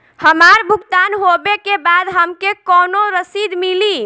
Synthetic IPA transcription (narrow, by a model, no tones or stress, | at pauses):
həmaɾbʱuɡt̪anɦobekebad̪ɦəmkekɔnoɾəsid̪mili